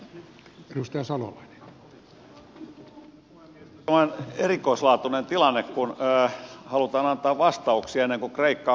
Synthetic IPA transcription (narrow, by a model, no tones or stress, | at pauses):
edust̪ɑjɑsɑlo̰lɑine̥ | mːonenerikoislɑːt̪unent̪ilɑnːekkunːhɑlut̪ɑːnɑnt̪ɑːʋʋɑst̪ɑuksiɑenːeŋkokreikːɑ